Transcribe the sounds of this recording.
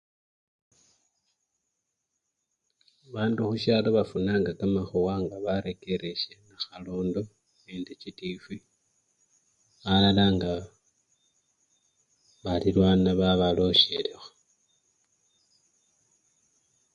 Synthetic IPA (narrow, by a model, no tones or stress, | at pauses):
βaːnduxuʃaloβafunaːŋɡakamaxuwaŋɡaβaɾe̞ke̞ɾe̞ʃenaxaloːndo | neːndecitifi | βalalaŋɡa | βalilwaːnaβaβalo̞ʃe̞lexo̥